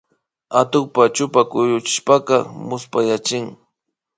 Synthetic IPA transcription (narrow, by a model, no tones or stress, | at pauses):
at̪ʊk̚pat͡ʃʊpakʊjʊt͡ʃɪ̥ʃpaqɑmʊspajat͡ʃɪŋ